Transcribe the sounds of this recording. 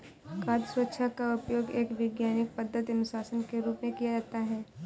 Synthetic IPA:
kaːd̪swət̪ːʃʰakaʊpjoːɡeːkʋɪɡjaːnɪk̚pəd̪ːət̪ɐnʊʃaːsənkeɾuːpmẽkijad͡ʒaːt̪aɦɛː

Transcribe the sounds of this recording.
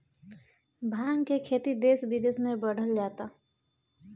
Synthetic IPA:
bʱaːŋɡkekʰeːt̪id̪eːsbid̪eːsmẽbəɽ̤ʱəld͡ʒaːt̪a

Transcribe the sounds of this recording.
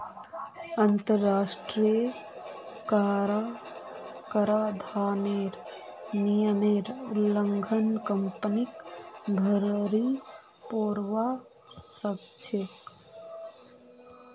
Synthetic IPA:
ənt̪əɾːasʈɾiə | kaɾa | kəɾad̪ʱaneɾ | nijəneɾləŋɡʱənkəmpnikɡʱəɾɾi | poɾʋa | səb | t͡ʃʰe

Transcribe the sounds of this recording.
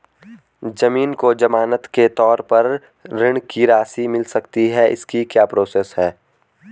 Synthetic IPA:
d͡ʒɐmiːnkod͡ʒɐmaːnət̪ket̪ɔːɾpɐɾː | ɪɽ̃kiɾaːsimɪlsɐkt̪iɦɛʔɪ̰skikjaːpɾoːseːsɦɛː

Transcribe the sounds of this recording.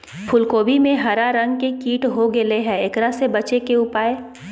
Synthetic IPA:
pʰʊlkoːbimẽɦɐɾaɾɐ̃ŋɡkekiːʈɦoɡɪleɦɛɪkɾasebɐt͡ʃekeʊpaːe

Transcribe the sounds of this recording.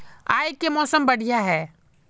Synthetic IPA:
a̰ːjkemɔːsəmbɐɽ̤ʱijaɦɛː

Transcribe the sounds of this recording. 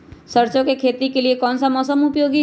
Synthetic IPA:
sɐɾt͡ʃõkekʰeːt̪ikeliekɔːnsamɔːsəmʊpjoːɡi

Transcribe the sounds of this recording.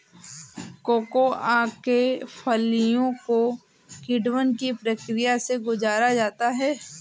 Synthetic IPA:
koːkoaːkefʰəlijõko | kɪɖwənkipɾəkɾijaseɡʊd͡ʒaːɾad͡ʒaːt̪aɦɛː

